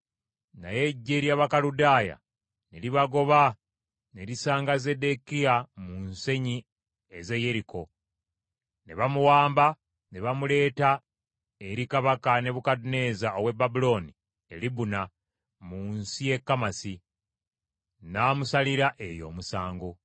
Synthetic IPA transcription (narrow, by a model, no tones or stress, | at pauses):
na̰je̞ɟːeɾjaβakaludaːja̰ | ne̞liβaɡo̞βa | ne̞ɾisaːŋɡaze̞de̞kiamunse̞ɲi | eze̞je̞ɾiko̞ | ne̞̰βamuwaːmba | ne̞βamule̞ːta | eɾikaβakane̞βukadune̞zaoβwe̞bːabulo̞ːni | e̞̰libuna | munsije̞kːamasi | naːmusaliɾaʔe̞jo̞̰ːmusaːŋɡo